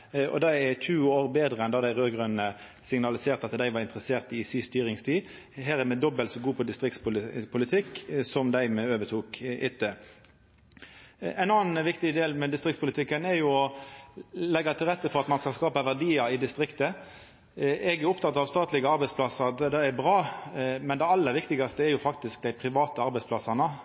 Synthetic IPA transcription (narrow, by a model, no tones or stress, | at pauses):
ɔ̰d̪ɑɛt̪ʰʉːoːʁbeːd̪ʁəɛnd̪ɑːd̪æɪʁøːɡʁʉnnə | sɪŋnɑlɪseːʁt̪ɑt̪d̪æɪʋɑɾɪnt̪ʁəseːʁt̪ɪsiːst̪yːʁɪŋst̪ʰiː | ɦæːɾæmɛd̪ɔbəlsɔɡuːpʰɔd̪ɪst̪ʁɪkt̪spʊpʰʊlɪt̪ʰɪkːsɔmd̪æɪmɛøːʋət̪ʰuːkʔɪt̪ːə | æɪnɑːənʋɪkt̪ɪd̪eːlmɛd̪ɪst̪ʁɪkt̪spʊlɪt̪ʰɪkːənɛɾjʊɔ | lɛɡːɑt̪ʰɪlʁɛt̪ːəfɔʁɑt̪mɑnskɑlskɑːpəʋæʁd̪iːəɪd̪ɪst̪ʁɪkt̪ə | ɛɡæʊpt̪ʰɑt̪ːɑʋst̪ɑːt̪lɪɡəɑɾbɛɪspʰlɑsəʁd̪d̪ɛæbʁɑːmɛnd̪ɛɑlːəʁʋɪkt̪ɪɡɑst̪əɛɾjʊfɑkt̪ɪsk̚d̪æɪpʰɾɪʋɑːt̪əɑɾbɛɪspʰlɑsɑnə